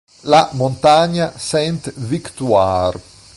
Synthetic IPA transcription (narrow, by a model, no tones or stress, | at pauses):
lamont̪aɲasɛnt̪vikt̪uar